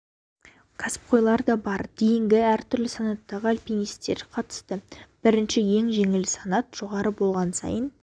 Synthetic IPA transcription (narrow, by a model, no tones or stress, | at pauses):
kʰɑsɪ̥p̚qʰo̞jlˠɑɾd̪ɑbɑɾd̪̥ejɪŋɡʲɪæɾt̪ʰʏɾlɪsɑnɑt̪ːɑʁəalʲpinijst̪e̞̰ɾqʰɑt̪ə̥st̪əb̥ɪɾɪnʃɪje̞ŋʒe̞ŋɪlɪsɑnɑt̪ʒ̥o̞ʁɑɾəbo̞lˠʁɑnsɑ̰jən